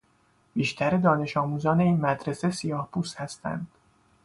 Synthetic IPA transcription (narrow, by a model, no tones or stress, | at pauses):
b̥iːʃt̪ʰæɾed̪ɒːne̞ʃɒːmuːzɒːne̞iːnmæd̪ɾe̞se̞sijɒːhpʰuːshæst̪ʰæ̰nd̪̥